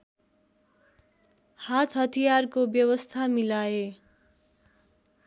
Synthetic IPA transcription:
hat̪ʰɦʌt̪ʰijarkobjʌwʌst̪ʰamilae

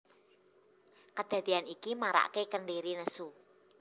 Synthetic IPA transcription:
kəd̪̥ä̤d̪̥i̤anikimaɾa̰ʔkekənɖeɾinəsu

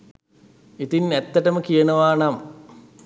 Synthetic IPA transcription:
it̪inet̪ːɐʈɐməkijɐɳɐʋaːɳam

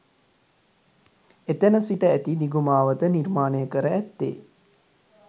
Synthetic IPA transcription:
et̪enəsiʈəæt̪id̪iɡumaːʋət̪əniɾmaːnejəkəɾəæt̪ːḛː

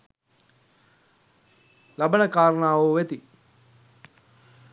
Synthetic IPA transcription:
labənəkaːɾənaːʋoʋet̪i

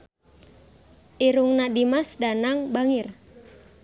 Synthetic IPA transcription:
ʔiɾuŋnadimasdanaŋbaŋir

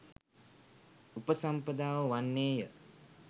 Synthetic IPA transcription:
upəsampəd̪aːʋəʋanːeːjə

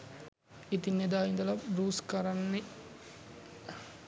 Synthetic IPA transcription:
it̪inːed̪aːind̪ɐlɐbɾuːskɐɾanːe

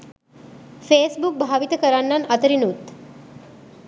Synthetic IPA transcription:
feːsbuk̚bʱaʋit̪əkəɾanːanət̪əɾinut̪

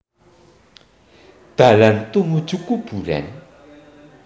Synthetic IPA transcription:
t̪alant̪omot͡ɕukːopura̰n

